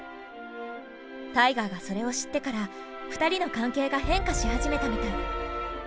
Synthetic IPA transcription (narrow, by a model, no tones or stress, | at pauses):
t̪aiɡaɡaso̞ɾe̞o̞ɕi̥t̪ːe̞kaɾa | ɸɯ̟̥t̪aɾʲino̞kãŋke̞ːɡahẽ̞ŋkaɕihaʑime̞t̪amʲit̪a